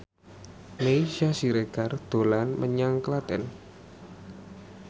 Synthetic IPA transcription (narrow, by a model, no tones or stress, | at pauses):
meiʃasiɾeɡ̥ard̪̥o̤lanməɲaŋklat̪ɛ̰n